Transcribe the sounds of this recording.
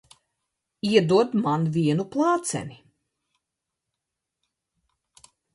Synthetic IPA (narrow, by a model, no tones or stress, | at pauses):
iɛd̪uɔd̪manvʲiɛnuplˠɑːt̪sɛ̰ni